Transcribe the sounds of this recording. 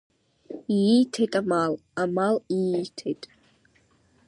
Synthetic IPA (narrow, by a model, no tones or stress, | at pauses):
ijitʰejtʼamalamalijitʰejtʼ